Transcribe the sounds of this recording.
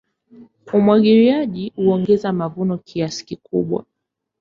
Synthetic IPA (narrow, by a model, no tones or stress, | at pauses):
umwaɠiɾiaʄiuɔŋɡɛzamavunɔkʰiasi̥kikṵɓwa̰